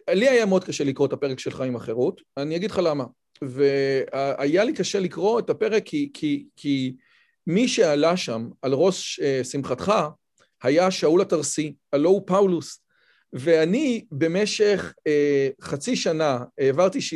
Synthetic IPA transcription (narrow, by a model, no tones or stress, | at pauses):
liajameo̞d̪̚kaʃelikʁo̞etape̞ʁekʃe̞lχaimaχe̞ʁut | anijaɡid̥χalama | veaajalikaʃe̞likʁo̞etape̞ʁekʰːikʰikʰi | miʃe̞alaʃamalʁo̞sesimχatχa | hajaʃaulataʁsialo̞upawlus | ve̞anibe̞me̞ʃe̞χeχat͡siʃanaeːvaʁtiʃ